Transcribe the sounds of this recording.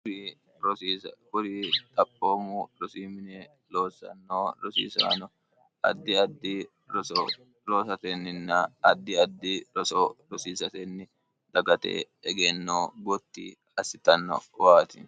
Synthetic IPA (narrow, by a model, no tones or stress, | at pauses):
ɾi | ɾɔsiːsɐkʊɾiːt̪ʼɐpʼːoːmuɾɔsiːmɪnɛ | loːsɐ̰nːoːɾɔsḭːsa̰ːnɔ | ɐ̰d̪ːɪɐd̪ːi | ɾɔsɔ | lo̞ːsɐt̪ɛnːɪnːɐɐd̪ːɪɐd̪ːiɾɔsoːɾɔsiːsɐt̪ɛnːɪ | d̪̥ɐɡɐt̪ḛː | ɛɡɛnːoːɡɔt̪ːḭː | ɐsɪt̪ɐnːɔ̰waːt̪ɪ